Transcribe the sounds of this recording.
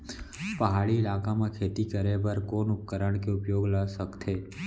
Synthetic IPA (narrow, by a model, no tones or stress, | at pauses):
pəɦaːɭiɪlaːkamẽkʰeːt̪ikəɾebəɾkoːnʊp̚kəɾəɳ̃keʊpjoːɡlasəkt̪ʰeː